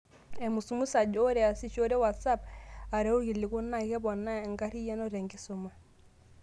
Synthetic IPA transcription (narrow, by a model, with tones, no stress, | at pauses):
ɛ˨mu˨su˨mu˦sa˨d͡ʒo˦ɾɛ˨a˨si˦t͡ʃo˦ɾe˦wa˨tsa˦pa˨ɾɛ˦o˦ɣi˨li˨ku˦na˦ɣɛ˦βɔ˨na˦˨ŋɡa˦ɾi˦ja˦nɔ˦ɾɛ˨ŋɡi˦so˨ma˦